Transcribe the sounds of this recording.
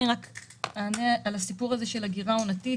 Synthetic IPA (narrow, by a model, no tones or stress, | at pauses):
iʁak | anealasipuʁaze̞ʃe̞laɡiʁaunati